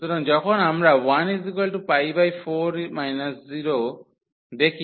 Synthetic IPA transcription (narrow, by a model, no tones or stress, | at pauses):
t̪ɔɾɔnd͡ʒɔkʰɔnamɾawanizikɔlʈupajbajpʰoɾmajnasziɾo | d̪ekʰi